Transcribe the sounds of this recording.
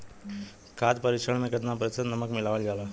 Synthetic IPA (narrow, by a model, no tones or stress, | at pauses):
kaːt̪pɐɾɪʃəɳ̃mẽɡət̪napɐɾɪsət̪nɐməkmɪlaːʋəld͡ʒaːlaː